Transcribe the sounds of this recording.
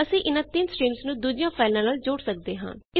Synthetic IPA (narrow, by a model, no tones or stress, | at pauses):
əsĩːʔɪnãːt̪ɪnsʈiːmsnũːd̪uːd͡ʒɪjãːpʰaːɪlãːnaːld͡ʒoːɽsək̚d̪eːɦã̰ːnɪ